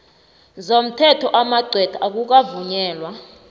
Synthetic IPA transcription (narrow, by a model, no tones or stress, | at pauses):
zom̩tʰɛtʰɔʔamaɡ͡ǀʱwɛd̥ʰaak̬uk̬avuɲɛːlwa